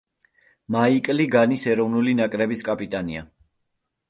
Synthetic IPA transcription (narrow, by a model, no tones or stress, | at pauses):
maikʼliɡanisɛɾɔvnulinakʼɾɛbiskʼapʼit̪ʼania̰